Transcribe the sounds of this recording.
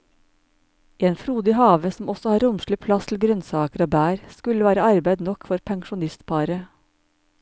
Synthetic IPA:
ʔeːnfɾuːd̪ɪːhɑːʋəsm̩ɔsɔhɑːɾʊmʃlɪpʰlɑst̪ʰl̩ɡɾœnsɑːkəɾoːbæːɾskʉləʋæːɾəɑɾbæɪd̪nɔkfɔɾpʰæŋʃʊnɪst̪pʰɑɾə

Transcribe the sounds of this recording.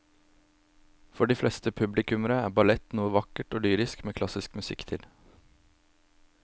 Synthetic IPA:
fɔɖiːflʔɛst̪əpʰʉblɪkʉməɾəæːɾbɑlɛt̪nuːəʋɑkəʈoːlyːɾɪskmeːkʰlɑsɪskmʉsɪ̰kt̪ʰɪl

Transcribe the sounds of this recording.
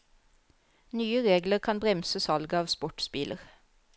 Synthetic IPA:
nyːəʁeːɡləʁkʰɑnbʁɛmsəsɑlɡəɑːʋspɔʈspiːlʔə̰ʁ

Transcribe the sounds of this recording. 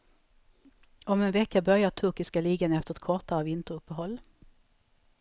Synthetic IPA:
ɔmɛnvɛkːabœʁjat̪ʰɵɾkɪskaliːɡənəɛft̪əʁɛt̪̚kʰɔʁt̪aɾəvɪnt̪əɾɵpːəɦɔlː

